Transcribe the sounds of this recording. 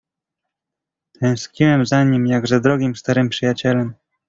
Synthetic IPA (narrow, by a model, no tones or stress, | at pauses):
t̪ʰɛ̃w̃skɲiwɛmzaɲimjaɡʐɛd̪ɾɔɡʲimst̪aɾɘmpʂɘjat͡ɕɛlɛm